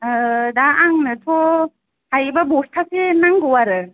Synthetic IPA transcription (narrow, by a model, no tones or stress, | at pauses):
daaŋnɯtʰɔ | hajbabɔstʰasenaŋɡɔwaɾɯ